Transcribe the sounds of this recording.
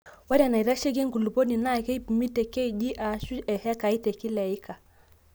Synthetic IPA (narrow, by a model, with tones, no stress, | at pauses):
wa˦ɾa˨na˨i˨ɾa˦ʃɛ˦kɛ˦ŋɡu˨lu˨pɔ˦ni˨na˦˨kɛ˦i˦pmi˦tɛ˨kɛ˦i˨d͡ʒi˦ʔa˨ʃu˦ɛ˨hɛ˦ka˨i˦tɛ˨ki˦lɛ˨i˦ka˨